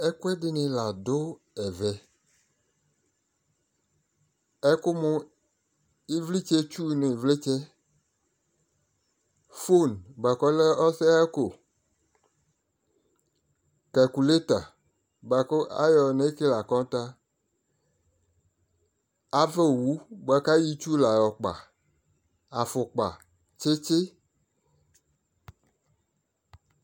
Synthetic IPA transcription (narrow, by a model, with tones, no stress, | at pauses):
ɛ˦ku˦ɛ˦dɪ˨nẽ˨la˨d̪o˦ | ɛ˨vɛ˨ | ɛ˦ko˦mõ˦ | i˦vli˦t͡ʃe˦t͡ʃu˦˨nẽ˨vle˦t͡ʃɛ˦ | fo˦˨nba˨kɔ˦le˦ɔ˦se˦ko˨ | ka˨ku˨le˦t̪a˨ | ba˨ko˦a̰˦jɔ˨ne˦ke˦la˨kɔ̃˦t̪a˦ | a˨ve˦˨wu˦ba˨ka˦ji˦t͡ʃu˦la˨jɔ˨k͡pa̰˨ | a˨fo˨k͡pa̰˨ | t͡ʃe˦t͡ʃe˦